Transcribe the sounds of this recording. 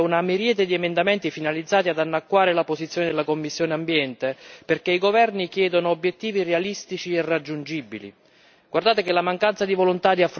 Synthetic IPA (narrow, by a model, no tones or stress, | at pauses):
unameɾjɛːt̪ed̪iɛmend̪amɛnt̪ifinalid̪zːaːt̪iad̪anːakːwaːɾelapozit̪sjoːned̪elakomːisːjoːneambjɛnt̪eperkeiɡovɛrnik̟jɛːd̪onoːbːjet̪ːiːvirealist̪it͡ʃiɛrad͡ʒːund͡ʒibilḭ | ɡ̥ward̪aːt̪ekɪlamaŋkant̪sad̪ivolont̪ad̪iafːɾ